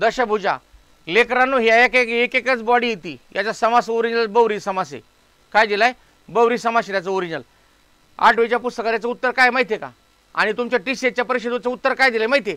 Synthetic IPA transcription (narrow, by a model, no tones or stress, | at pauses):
d̪əɕək̚bʱud͡ʑa̰ | lekɾanːuɦjaekekekekət͡sbɔɽiːjet̪iːjat͡ɕasəmasoɾiɲələbəʋɾiːsəmasḛ | kajd̪ilaj | bəʋɾiːsəmaset̪jat͡səoɾiɲəl | a̰ʈʋet͡ɕjapust̪əkat̪jat͡səut̪ːəɾkajmaɦit̪ʰeka̰ | a̰ɽ̃it̪umt͡ɕjaʈiset͡ɕjapəɾiɕəd̪ut͡səut̪ːəɾkajd̪ilajmaɦit̪ʰe